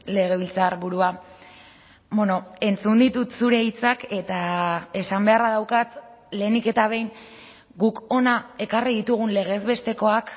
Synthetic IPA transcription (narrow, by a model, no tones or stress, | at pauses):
le̞ɣ̞e̞β̞ilt͡saɾβuɾua | bono̞e̞nt͡sund̪it̪ut̪suɾe̞it͡sake̞t̪ae̞sambe̞araðawkat̪ | le̞ːnike̞t̪aβ̞e̞jn | ɡuko̞nae̞kariðit̪uɣ̞unle̞ɣ̞e̞zβe̞st̪e̞ko̞ak